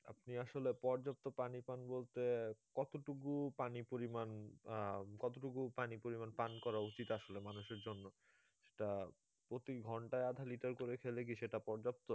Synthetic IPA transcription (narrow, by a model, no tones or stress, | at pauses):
a̰pniaʃolepɔɾd͡ʑap̚t̪opanipanbolt̪ekɔt̪oʈukupanipoɾiman | kɔt̪oʈukupanipoɾimanpankɔɾaut͡ɕit̪aʃolemanuʃeɾd͡ʑonːo | ʃe̥ʈa | pɾot̪iɡʱɔɳʈaead̪ʱaliʈaɾkoɾekʰelek̬iʃeʈapɔɾd͡ʑap̚t̪o